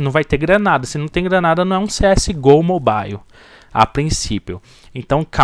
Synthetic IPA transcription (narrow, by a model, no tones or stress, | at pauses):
nɐ̃w̃vajt̪eɡɾɐnad̪ɐsɪnɐ̃w̃t̪ẽj̃ɡɾɐnad̪ɐnɐ̃w̃ɛũseɛsɪɡowmobajʊ | a̰pɾĩsipjʊ | ẽnt̪ɐ̃w̃kʰa